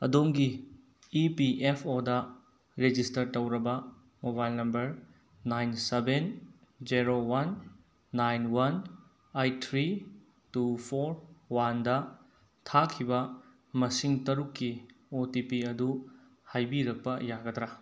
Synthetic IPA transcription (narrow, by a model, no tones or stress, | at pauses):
ɐ̰domɡiː | piʔepʰodɐ | ɾed͡ʒistɐɾtɐwɾɐbɐ | mobajlnɐmbɐɾ | najnseben | d͡ʒiɾowɐnː | ajnwɐn | ajtʰɾi | tupʰoɾwandɐ | tʰakʰːibɐ | mɐsiŋtɐɾukːiotipiɐdu | hajbiɾɐk̚pɐjaɡɐtɾa